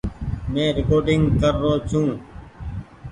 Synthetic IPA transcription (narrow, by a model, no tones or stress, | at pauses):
mẽːɾɪkoːɾɖɪŋɡkəɾːoːt͡ʃʰũː